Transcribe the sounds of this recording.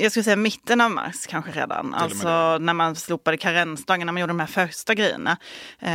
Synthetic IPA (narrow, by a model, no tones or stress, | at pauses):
jɑɡskɯləsɛjːamɪt̪ʰːənavma̰ɾʂkʰanɧəɾḛːd̪a̰na̰lt̪sɔnæɾmansluːpad̪əkʰaɾɛnːst̪ɑːɡnːæɾmanjuːɖəd̪ɔmhæɾfœɾʂʈaɡɾɛjːə̰ɳa